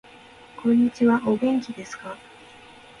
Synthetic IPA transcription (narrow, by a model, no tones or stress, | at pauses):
kõ̞ɲ̟ːit͡ɕiβaʔo̞ɡẽ̞ŋkʲid̪e̞sɨ̥ka